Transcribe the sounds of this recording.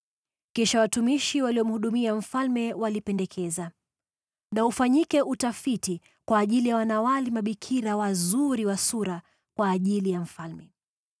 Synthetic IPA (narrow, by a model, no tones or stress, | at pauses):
kɛʃawatumiʃiwaliɔm̩huɗumiam̩falmɛwalipɛndɛkʰɛza | naufaɲikɛʔutafiti | kwaːʄilijawanawalimaɓikʰiɾawazuɾiwasuɾa | kwaːʄilijam̩falmɛ